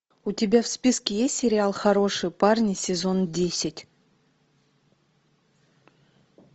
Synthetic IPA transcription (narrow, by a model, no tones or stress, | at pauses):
utʲɪbʲafspʲiskʲɪjesʲtʲsʲɪɾʲɪalˠxɐɾo̞ʂɨjparnʲɪsʲɪzo̞ndʲesʲɪtʲ